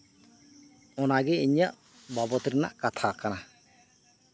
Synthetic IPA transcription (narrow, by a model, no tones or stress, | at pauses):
ɔnaɡɛiɲaʔ | babɔt̪ɾɛna̰ʔkat̪ʰakana